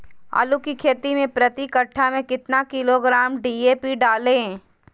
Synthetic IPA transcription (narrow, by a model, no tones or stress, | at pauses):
a̰ːlukikʰeːt̪imẽpɾɐt̪ikəʈʰːamẽkɪt̪nakɪloɡɾaːmɖiːeːpiɖaːlẽ